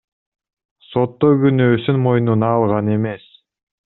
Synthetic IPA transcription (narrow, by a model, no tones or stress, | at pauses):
so̞t̪ːojɡynøːsynmo̞jnunɑːlˠʁɑne̞me̞s